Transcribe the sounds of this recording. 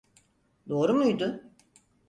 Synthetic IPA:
d̪o̞ːɾumujd̪ʊ

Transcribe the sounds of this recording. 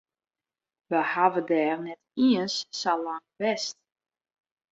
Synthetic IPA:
ʋəhavədɛːrnɛtiənsːalaŋbɛst̚

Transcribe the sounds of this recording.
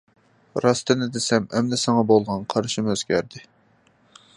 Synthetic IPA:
ɾɑst̪ɨnɪd̪ɪsɛmɛmd̪ɛsɑŋɑbolˠʁɑnqʰɑɾʃimøz̥kʲæɾd̪ɪ

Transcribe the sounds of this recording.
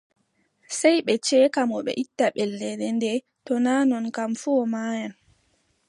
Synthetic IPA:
sɛjɓɛt͡ʃɛːkamɔɓɛ̰ʔitːaɓɛldɛdɛndɛ | tɔnaːnɔnkamfuɔmaːjan

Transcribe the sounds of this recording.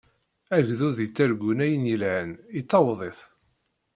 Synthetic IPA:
æʝðuðit͡sːæɾɡʷunæjənjəlʕənit͡s̪ːɑwðˤeθ

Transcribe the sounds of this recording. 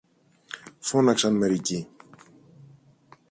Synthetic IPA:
fo̞nɐksɐnme̞ɾici

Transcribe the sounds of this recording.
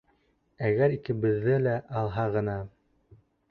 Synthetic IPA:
æɣæɾikɘ̆bɘ̆ðːɘlæʔɑlˠɦɑʁɤ̆nɑ

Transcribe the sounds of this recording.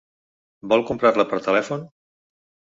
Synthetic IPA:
bɔlˠkumpɾarləpəɾt̪əlɛfun

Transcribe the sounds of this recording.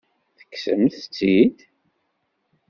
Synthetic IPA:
θə̥kːsə̰mθət͡sːid̪

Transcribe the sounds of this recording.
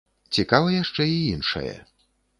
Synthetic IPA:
t͡sʲikavɐjaʂt͡ʂɛiinʂɐ̰jɛ̰

